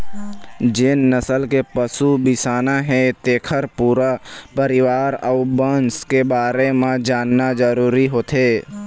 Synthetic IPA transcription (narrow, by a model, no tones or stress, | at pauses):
d͡ʒeːnːəsəlkepəsubɪsaːnaɦɛt̪eːkʰəɾpuːɾapəɾɪʋaːɾəʊbənskebaːɾemẽd͡ʒaːnːad͡ʒəɾuːɾiɦoːt̪eː